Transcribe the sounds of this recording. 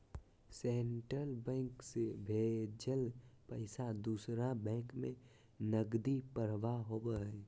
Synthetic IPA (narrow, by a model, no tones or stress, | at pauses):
seɳʈɾəlbɛ̃ːŋksebʱeːd͡ʒəlpəɪsad̪uːsɾabɛ̃ːkmẽ | nəɡd̪ipəɾʋaɦoːbəɛ